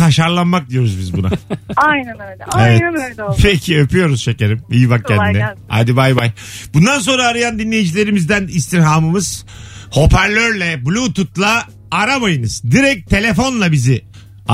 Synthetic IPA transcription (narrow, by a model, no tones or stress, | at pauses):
aʃaɾlˠanmak̚d̪ijo̞ɾuzbizbuna̰aj̪evɛpʰecʰiøpʰyjo̞ɾuz̥ʃeceɾimijibak̚cʰænd̪inɛa̰jd̪ibajbajb̥und̪ans̬o̞nɾaːɾɯjand̪inːʲejid͡ʒilʲe̞ɾimizd̪ænist̪ʰiɾɦamɯmɯz̥ho̞pʰæɾlʲøɾlʲɛbulʲuːt̪ʰut̪̚lˠaː | ɾabajɯnɯz̥d̪iɾɛc̚t̪ʰe̞lʲe̞fo̞nlˠabizɪ | a